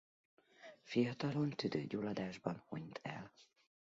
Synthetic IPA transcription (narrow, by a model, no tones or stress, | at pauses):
fijɒt̪ɒlo̞nt̪yd̪ø̰ːɟuːlɒd̪aːʒbɒnhoɲt̪ʰɛ̰l